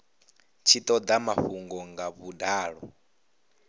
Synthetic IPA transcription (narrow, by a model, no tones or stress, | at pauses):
t͡ʃʰit̪ʼɔd̪amaɸuŋɡɔŋɡaβudaːɺɔ̰